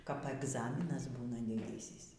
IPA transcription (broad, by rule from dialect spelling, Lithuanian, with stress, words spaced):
kɐp ɛɡˈzɑːmʲɪnɐs ˈbuːnɐ dʲɪˈdʲiːsʲiːs